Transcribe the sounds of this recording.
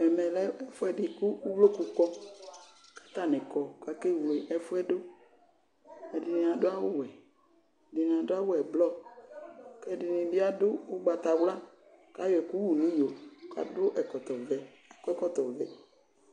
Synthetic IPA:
ɛ˨mɛ˨lɛ˦ɛ˦fʊ˦ɛ˨dɪ˨ku˦wlo˦ku˨kɔ˦ | kḁ˦t̪a˦˨nɪ̃˨kɔ˨ka˨ke˦˨wle˨ʔɛ˦fʊ˦ɛ˦do˦ | ɛ˨di˨nĩ˨a˨dʊ˦a˦wʊ˦wɛ˨ | di˨n˨a˨dʊ˦a˦wʊ˦ɛ˨blɔ˦ | kɛ˦di˨nĩ˨bi˦a˦dʊ˦ʊ˦ɡ͡ba˨t̪a˨wla˦ | ka˦jɔ˦˨ɛ˨ku˦wu˨nĩ˦jo˨ka̰˨dʊ˦ʔɛ˨kɔ˨t̪ɔ˨vɛ˨ | a˨kɔ˦ɛ˦kɔ˦t̪ɔ˨vɛ˨

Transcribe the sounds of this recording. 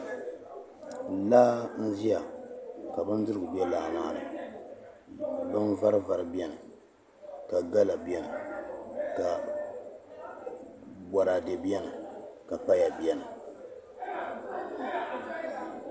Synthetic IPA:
laː˦n̩˦zi˦ja˨ka˨bɨ˦n˦dɨ˦ɾɨ˦ɡʊ˨bi˦ɛ˦laː˨naː˦˨nɨ̰˨ | bɨ˦nva˦ɾɨ˦va˨ɾɨ˨bi˦ɛ˦nɨ˨ | ka˨ɡa˦la˨bi˦ɛ˦nɨ˨ | ka˨ | bɔ˨ɾa˨de˨bi˦ɛ˦nɨ˨ka˨pa˦ja˨bi˦ɛ˦nɨ˨

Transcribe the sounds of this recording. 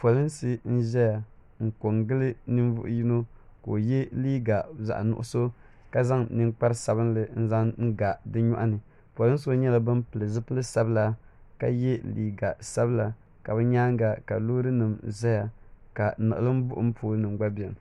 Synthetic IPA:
po˨lɨ˦nsɨ˦n̩˦ʒɛ˦ja˨ | ŋ̩˨ko˨ŋɡɨ˦lɨ˦nɨ˦nvʊ̰˦ʔji˦no˦ko̰˨jɛ˦liː˦ɡa˨za̰˨ʔnʊ̰˦ʔʊ̰˦so˦ | ka˦za˦ŋnɨ˦ŋk͡pa˦ɾsa˨bɨ˦n˦lɨ˨n̩˦za˦ŋŋ̩˦ɡa˨dɨ˦ɲɔ˦ʔa˦nɨ˨ | po˨lɨ˦n˦so˦ɲɛ˦la˨bɨ˦mpɨ˨lɨ˨zɨ˦pɨ˦lɨ˦sa˦bɨ˦la˦ka̰˨jɛ˦lḭː˦ɡa˨sa˦bɨ˦la˨ | ka˨bɨ˦ɲaː˦ŋ˦ɡa˨ka˨lo˦ɾɨ˦nɨ˨mzɛ˦ja˨ka˨nɨ˨ɨ̰˨lɨ˦m˦bʊ˦ʔʊ˦m̩˦pʰoː˨lnɨ˨mɡ͡ba˦bi˨ɛ˨m

